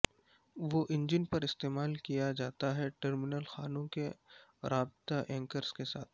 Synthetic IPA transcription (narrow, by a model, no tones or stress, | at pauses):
ʋoʔɪ̃ɲd͡ʒɪnpɐɾɪst̪eːmaːlkijad͡ʒaːt̪aɦɛʈəɾmɪnəlxaːnõkeɾaːbt̪aʔɛ̃ːŋkəɾskesaːt̪ʰ